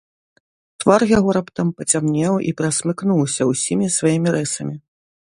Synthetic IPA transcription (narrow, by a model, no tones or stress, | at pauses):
t̪varjaɣɔɾapt̪ampɐt͡sʲamnʲɛwʔḭpɾɐsmɨknuwsʲɐwsʲimʲisvajimʲiɾɛsɐmʲi